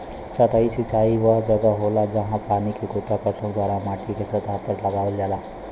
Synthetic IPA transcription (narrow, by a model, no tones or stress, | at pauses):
sɐt̪aisɪt͡ʃaːiʋad͡ʒɐɡaɦoːlad͡ʒɐɦãpaːnikikʊt̪ːakəsə̃kd̪waːɾãmaːʈʰikesɐt̪aːpəɾlaɡaːʋəld͡ʒaːlaː